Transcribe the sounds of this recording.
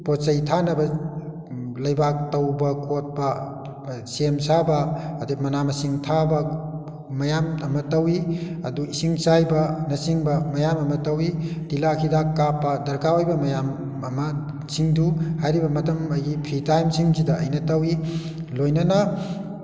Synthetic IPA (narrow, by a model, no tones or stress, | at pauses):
posɐjtʰanɐbɐ | lɐjbak̚tɐwbɐkʰot̚bɐ | semsabɐːdimɐnamɐsiŋtʰabɐ | mɐjamɐmɐtɐwiɐduisiŋsajbɐnɐsiŋbɐmɐjamɐmɐtɐwidilakʰidakːapːɐdɐɾkaojbɐmɐjam | ɐmɐ | siŋduhajɾibɐmɐtɐmɐjɡipʰɾitajmsiŋzidɐɐ̰jnɐtɐwi | lojnɐnɐ